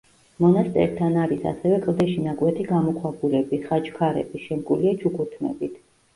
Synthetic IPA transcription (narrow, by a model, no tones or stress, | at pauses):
mɔnast̪ʼɛ̰ɾt̪ʰanaɾisa̰sɛvɛkʼlˠd̪ɛʃinaɡwɛt̪ʰiɡamɔkʰwabuɾɛbiχat͡ʃkʰaɾɛ̰b̥iʃɛmkʼuliat͡ʃʰukʰʼut̪ʰmɛ̰bit̪ʰ